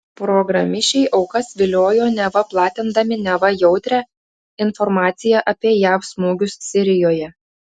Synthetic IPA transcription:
pɾɔɡɾɐmʲɪʃʲt͡ʃʲɛɪʔɒʊkɐsʋʲɪlʲoːjoːnʲɛʋɐplˠɑːt̪ʲɪnd̪ɐmʲɪnʲɛʋɐjɛʊt̪ʲɾʲɛ | ɪnfɔɾmɑːt̪sʲɪjɛʔɐpʲiɛjæːfsmuːɡʲʊssʲɪɾʲɪjoːjɛ

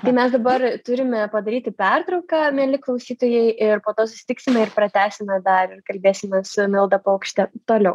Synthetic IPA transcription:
t̪ɐɪmʲɛsd̪ɐbɐrt̪ʊɾʲɪmʲɛpɐd̪ɐɾʲiːt̪ʲɪpʲɛrt̪ɾɐʊkɑːmʲeɛlʲɪklˠɐʊsʲiːt̪oːjɛɪʔɪɾpoːt̪oːsʊ̥sʲɪ̥t̪ʲɪksʲɪmʲɛɪrpɾɐt̪ʲæːsʲɪmʲɛd̪ɐɾɪrkɐlʲbʲeːsʲɪmʲɛsʊmʲɪlˠd̪ɐpoːkʃʲt̪ʲɛt̪oːlʲɛʊ

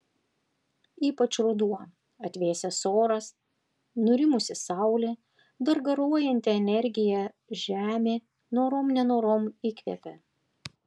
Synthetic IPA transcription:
iːpɐt͡ʃɾʊd̪uɔ | ɐt̪ʲʋʲeːsʲɛsoːɾɐs | nʊɾʲɪmʊsʲɪsɑˑʊlʲe | d̪ɐɾɡɐɾuɔjɛnʲt̪ʲɪɛnʲɛɾʲɡʲɪjɛ | ʒʲæːmʲeː | noːɾoːmnʲɛnoːɾoːmikʲʋʲɛ̰pʲɛ

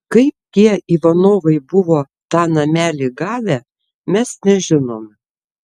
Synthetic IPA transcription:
kɐɪp̚t̪ʲiɛiːʋɐnoːʋɐɪbʊʋoː | t̪ɑːnɐmʲæːlʲɪɡɑːʋʲæ | mʲɛsnʲɛʒʲɪnoːmʲ

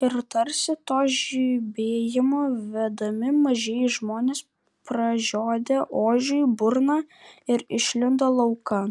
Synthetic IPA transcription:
ɪɾt̪ɐɾʲsʲɪt̪oːʒʲiːbʲeːjɪmoːʋʲɛd̪ɐmʲɪmɐʒʲɛːjɪʒmoːnʲeːs | pɾɐʒʲoːd̪ʲeʔoːʒʲʊjbʊɾnɑːɪɾɪʃʲlʲɪnd̪ɐlˠɐʊkɐ

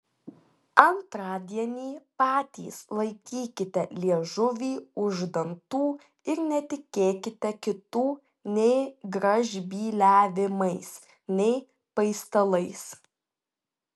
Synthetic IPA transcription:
ɐnt̪ɾɑːd̪ʲiɛnʲiːpɑːt̪ʲḭːslˠɐɪkʲiːkʲɪt̪ʲɛlʲiɛʒʊʋʲiːʊʒd̪ɐnt̪uː | ɪɾnʲɛt̪ʲɪkʲeːkʲɪt̪ʲɛkʲɪt̪uː | nʲɛɪɡɾɐʒʲbʲiːlʲæːʋʲɪmɐɪs | nʲɛɪ | pɐɪst̪ɐlˠɐɪs

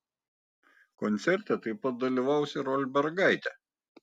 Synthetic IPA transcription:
kɔnʲt̪sʲɛɾʲt̪ʲɛt̪ɐɪpɐt̪̚d̪ɐlʲiʋɐˑʊsʲɪɾɔlʲbʲɛɾɡɐɪt̪ʲɛ

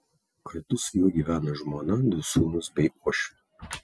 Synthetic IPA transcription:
kɐɾʲt̪ʊsjuɔɡʲiːʋʲæːnɐʒmoːnɐd̪ʲʊsuːnʊsbʲɛɪʔoːʃʲʊ̥

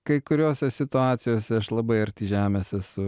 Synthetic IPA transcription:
kɐɪkʊɾʲoːsʲɛsʲɪt̪ʊɑːt̪sʲɪjoːsʲɛɐʃlˠɐbɐɪɐɾʲt̪ʲiːʒʲæːmʲeːsɛsʊ

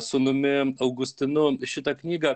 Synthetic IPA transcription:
sʊmʊmʲɪɐʊɡʊsʲt̪ʲɪnʊʃʲɪt̪ɐknʲiːɡɐ

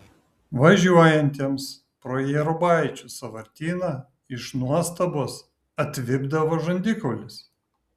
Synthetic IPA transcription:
ʋɐʒʲuɔjɛnʲt̪ʲeɛms | pɾoːjɛːɾʊbɑˑɪt͡ʃʲusɐʋɐɾʲt̪ʲiːnɐ | ɪʃnuɔst̪ɐboːs | ɐt̪ʲʋʲɪbd̪ɐʋoːʒɐnʲd̪ʲɪkɔʊlʲɪs

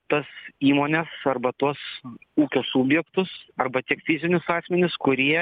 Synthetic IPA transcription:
t̪ɐsiːmoːnʲɛsɐrbɐt̪uɔsuːkʲoːsuːbʲjɛkt̪ʊsɐrbɐt̪ʲiɛkfʲɪzʲɪnʲʊsɑːsʲmʲɛnʲɪskʊɾʲiɛ

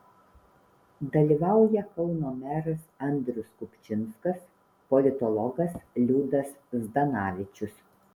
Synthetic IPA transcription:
d̪ɐlʲiːʋɑˑʊjɛkɒʊnoːmʲæɾɐsɐnʲd̪ʲɾʲʊskʊpʲt͡ʃʲɪnskɐs | pɔlʲɪt̪ɔlˠɔɡɐslʲuːd̪ɐsd̪ɐnɑːʋʲɪt͡ʃʲʊs

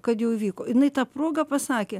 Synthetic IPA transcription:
kɐt̪jɛʊɪʋʲiːkoːjɪnɐɪt̪ɑːproːɡɐpɐsɑːkʲeː

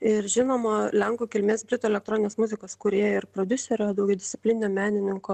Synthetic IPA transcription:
ɪɾʒʲɪnoːmolʲɛŋkuːkʲɪlʲmʲeːsbʲɾʲɪt̪oːɛlʲɛkt̪ɾoːnɪnʲːsmʊzʲɪkoːskʊɾʲeːjɛɪɾpɾoːd̪ʲʊsʲɛɾʲoːd̪ɐʊɡʲɛʊd̪ʲɪsʲɪ̥pʲlʲɪnʲɪnʲɛːmʲæːnʲɪnʲɪŋkʊː

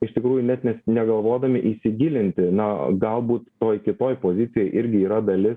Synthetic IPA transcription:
ɪʃt̪ʲɪkɾuːjʊnʲɛt̪nʲɛsnʲɛɡɐlˠʋoːd̪ɐmʲɪʔisʲɪɡʲilʲɪnʲt̪ʲɪnɐɡɐlˠbuːt̪t̪oːjkʲɪt̪oːjpoːzʲɪt̪ʲɪjoːjʔɪɾʲɡʲɪiːɾɐd̪ɐlʲɪs

